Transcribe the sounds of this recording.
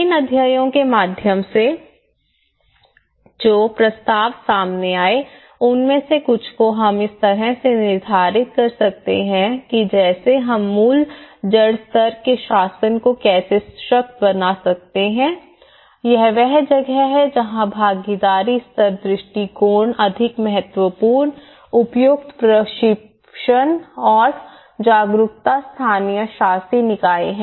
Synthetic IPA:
ɪnɐd̪ʱjajõkemaːd̪ʱjəmse | d͡ʒoːpɾɐst̪aːʋsaːmneaːe | ʊnmẽsekʊt͡ʃʰkoɦɐmɪst̪ɐɾɛsenɪɾd̪ʱaːɾɪt̪̚kɐɾsɐk̚t̪ḛɦɛ̃kid͡ʒɛːseɦɐmːuːld͡ʒɐɽst̪əɾkeʃaːsənkokɛːseʃɐk̚t̪bɐnasɐk̚t̪eɦɛ̃ː | jɛɦʋɛɦd͡ʒɐɡɛɦɛd͡ʒɐɦãbʱaːɡid̪aːɾist̪ɐɾd̪ɾɪʃʈikoːɾɳɐd̪ʱɪkmɛɦət̪wəpuːɾn | ʊpjʊkt̪pɾɐʃɪ | ʃənɔːɾ | d͡ʒaːɡɾʊkt̪ast̪ʰaːnijəʃaːsinɪkaːḛɦɛ̃ː

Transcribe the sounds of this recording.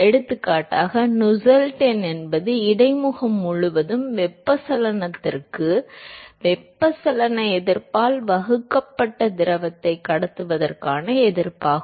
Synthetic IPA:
ɛɽɯt̪ːɯkːaːʈːaːɣɐnʊsɐlʈɐnɛnbɐðɯɪɽɐɪmʊɣɐmːʊɻʊʋɐðɯmʋɛpːɐsɐlɐnɐt̪ːɪrkɯʋɛpːɐsɐlɐnɐɛðɪɾpaːlʋɐɣɯkːɐpːɐʈːɐd̪ɪɾɐʋɐt̪ːɐɪkːɐɽɐt̪ːɯʋɐðɐrkaːnɐɛðɪɾpaːɣɯ

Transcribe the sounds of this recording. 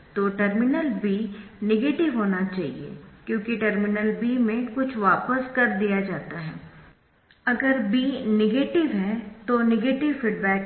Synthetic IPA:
t̪oːʈəɾmɪnəlbiːnɪɡeːʈɪʋɦoːnat͡ʃaːɦḭḛːkjõːkiʈəɾmɪnəlbiːmẽkʊt͡ʃʰʋaːpəskɐɾd̪ijad͡ʒaːt̪aɦɛː | ɐɡəɾbiːnɪɡeːʈɪʋɦɛt̪onɪɡeːʈɪʋfiːɖbɛːk

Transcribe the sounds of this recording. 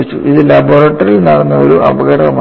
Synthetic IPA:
it͡ɕːuiðɨlɐboːɾɐʈːɐrilnɐɽɐnːɐo̰ɾuʔɐ̰bɐɣɐɽɐɣɐm

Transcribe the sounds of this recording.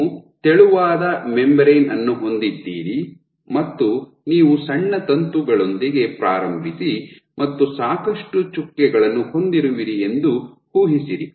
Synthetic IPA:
t̪eɭuʋaːd̪ɐmembɾejnɐnːuɦo̞nd̪id̪ːiːɾi | mɐt̪ːu | niːʋusɐɳːɐt̪ɐnt̪uɡɐɭo̞nd̪iɡe̞pɾaːɾɐmbʱisi | mɐt̪ːusaːkɐʂʈut͡ʃukːɛɡɐɭɐnːuho̞nd̪iɾuʋiɾie̞nd̪u | huːɦisiɾi

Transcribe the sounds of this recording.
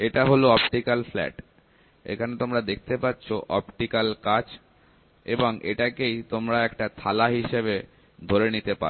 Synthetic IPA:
eʈaɦoloɔpʈikalflɛ̰ʈ | ḛkʰanet̪omɾad̪ek̚ʰt̪epatːɕʰoʔɔ̰pʈikalkat͡ɕ | eboŋʔeʈakejt̪omɾaɛkʈat̪ʰalaɦiʃeβe | d̪ʱoɾenit̪epa̰

